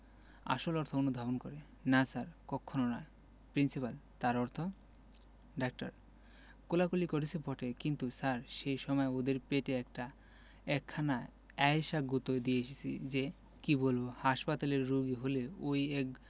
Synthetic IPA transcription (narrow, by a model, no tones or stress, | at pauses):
a̰ʃolɔɾt̪ʰoonud̪ʱabonkɔɾe | nasaɾkɔkʰːononae | pɾinsipalt̪aɾɔɾt̪ʰo | ɖak̚ʈa̰ɾ | kolakolikoɾisʰepɔʈekint̪usaɾʃejʃɔmɔeod̪eɾpeʈeɛkʈa | ɛkʰːana | ɛjʃaɡut̪od̪ieeʃet͡ɕʰḭd͡ʑe | kibolbohaʃpat̪aleɾːuɡiɦoleojɛk